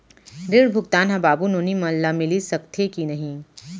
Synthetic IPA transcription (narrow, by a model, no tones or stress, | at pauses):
ɾɪɽbʱʊɡt̪aːnɦɐbaːbunoːnimɐlllamɪlisɐkt̪ʰekinɐɦĩː